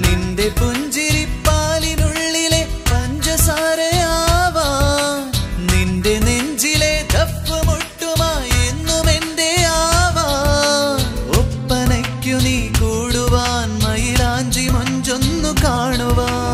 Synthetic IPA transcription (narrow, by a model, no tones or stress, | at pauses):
ninɖe̞puɲd͡ʒiɾipːaːlinuɭːilekɐɲd͡ʒɐsaːɾɐaːʋa | ninɖeneɲd͡ʒiled̪ʱɐpːɐmuʈːumaːenːumenɖeaːʋaː | opːɐnɐkːuniːkuːɽuʋaːnmɐjilaːɲd͡ʒimuɲd͡ʒonːukaːɳuʋaː